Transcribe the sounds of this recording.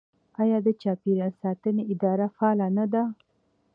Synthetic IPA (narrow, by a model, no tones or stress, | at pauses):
ɑjɑd̪ət͡ʃɑpiɾasɑt̪əneɪd̪ɑɾafɑlanad̪a